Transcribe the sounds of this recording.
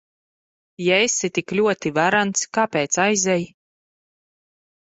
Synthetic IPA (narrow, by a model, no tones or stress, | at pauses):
jaesit̪iklʲuɔt̪ivaɾant̪skaːpeːt̪sajzʲɛj